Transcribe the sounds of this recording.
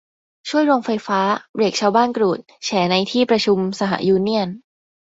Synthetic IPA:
t͡ɕʰu˥˩əjɾo˧ŋfa˧jfaː˦˥pɾeː˨˩k̚t͡ɕʰaː˧wbaː˥˩nkɾuː˨˩t̪̚t͡ɕʰɛː˩˦na˧jt̪ʰiː˥˩pɾa˧t͡ɕʰu˧msa˧ɦa̰˧˩˦juː˧ni˥˩ən

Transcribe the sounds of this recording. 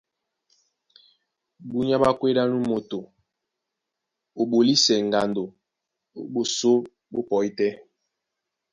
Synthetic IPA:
bu˦ɲ˦a˦ɓa˦kwe˦da˦nu˦mo˨to˨ | o˨ɓo˨li˦sɛ˨ŋ˨ɡa˨ndo˨˦ | ɓo˨so˦ | bo˦pɔ˨i˦tɛ˦

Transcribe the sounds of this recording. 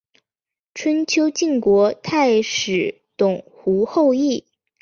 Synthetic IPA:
ʈ͡ʂʰwə˥nt͡ɕʰjo˥ʊt͡ɕi˥˩ŋkwɔ˧˥t̪ʰa˥˩ɪʂɻ̩˨˩ | t̪ʊ˨˩ŋxu˧˥xo˥˧ʊi˥˩

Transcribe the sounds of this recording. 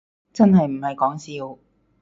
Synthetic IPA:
t͡sɐ˥nɦɐ˨jm̩˨˩hɐ˨jkɔː˨˥ŋsiː˧w

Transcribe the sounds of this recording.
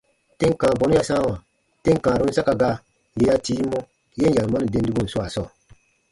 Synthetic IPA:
te˦ŋ˦kãː˨bɔ˨˦nũ˦ja˨sãː˦˨wã˨ | tẽ˦ŋ˨kãː˨ɾũ˦n̩˦sa˦ka˨ɡa˦ | je˦ja˦tiː˦mːɔ˦ | je˦n˦ja˨ma˦ni˨de˨˦n˦di˦ɡu˦˨n̩˨su˦a˨sɔː˦˨

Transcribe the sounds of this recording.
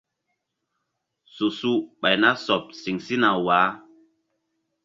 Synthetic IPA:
su˨su˦ɓa˨jna˦sɔ˨p̚si˨ŋsi˦na˨waː˨˦

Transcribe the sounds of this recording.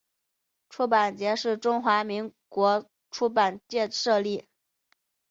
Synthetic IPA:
ʈ͡ʂʰu˥pa˨˩nt͡ɕjɛ˧˥ʂɻ̩˥˩ʈ͡ʂʊ˥ŋxwa˧˥mi˧˥ŋkwɔ˧˥ | ʈ͡ʂʰu˥pa˨˩nt͡ɕjɛ˥˧ʂɤ˥˧li˥˩

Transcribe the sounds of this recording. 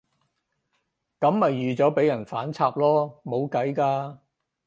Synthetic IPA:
kɐ˨˥mːɐ˨jːyː˨t͡sɔː˨˥pe˨˥jɐ˨˩nfaː˨˥nt͡sʰaː˧p̚lɔː˥mo˨˧wkɐ˨˥jkaː˧

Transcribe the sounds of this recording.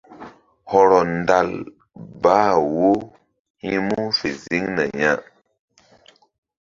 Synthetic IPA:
hɔ˨ɾɔ˨n˦da˦˨l | baː˦wo˦ | hi˦mu˦fḛ˨zi˦ŋnə˨ɲa˦

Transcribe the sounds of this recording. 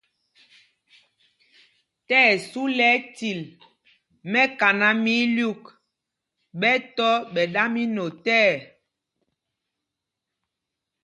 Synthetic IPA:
tɛː˦˨su˦lɛ˦ti˨l | mɛ˦ka˨na˦mi˦lju˦˨k | ɓɛ˦tɔ˦ɓɛ˨ɗa˦mi˦no˨tɛː˦˨

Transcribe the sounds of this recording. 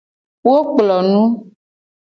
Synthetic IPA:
wo˦k͡plɔ˨nũ˦

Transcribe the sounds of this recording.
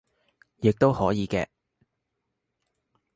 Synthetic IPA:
jɪ˨k̚t̪o˥whɔː˨˥jiː˨˧kɛː˧

